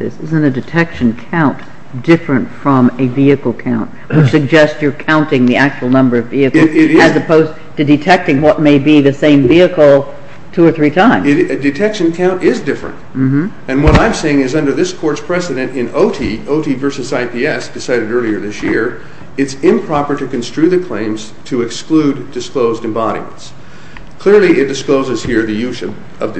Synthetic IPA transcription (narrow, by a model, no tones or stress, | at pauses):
ɪsɪzɨ̃ntɨdɨtʰɛkʃɨ̃n̩kʰãʊ̃nt | d̥ɪfɹɨ̃ntfɹʌ̃mɨviɨkl̩ˠkʰãʊ̃nʔ̚ | wɨt͡ʃsɨɡ̚d͡ʒɛstsjə˞kʰãʊ̃ntɪ̃ŋðiæk̚t͡ʃul̩ˠnʌ̃mbə˞ʌviɨk̩ɪɾɪɨzɨpʰoʊz | tɨdɨtʰɛk̚tɪ̃ŋwʌt̚meɪbiðɨsẽɪ̃ɱviɨkl̩ˠ | tʰʉə˞θɹitʰãɪ̃mɪɾɨdɨtʰɛkʃɨ̃nkʰãʊ̃ntɪzdɪfɹɨ̰̃nt̚m̩m̥m̩ | ɨ̃nwʌɾãɪ̃mseɪɪ̃ŋɨzʌ̃ndə˞ðɪskʰɔɹtspʰɹ̥ɛsɨɾɨ̃ntɪ̃noʊɾʰioʊɾivɜ˞sɨzaɪpʰiɛsd̥ɨsaɪɾɨɾɜ˞lˠiə˞ðɪsjɪ̰ɹ | ɨtsɪ̃mpʰɹ̥ɑpə˞ɾɨkɨ̃nstɹ̥ʉðɨkʰl̥ẽɪ̃mz̥tʰɨɨksklʉdɨskloʊzdɨ̃mbɑɾḭmə̰̃nts | kʰl̥ɪɹlˠiʔɪt̚d̥ɨskloʊzɨz̥hiɹðɨjʉz | ʌv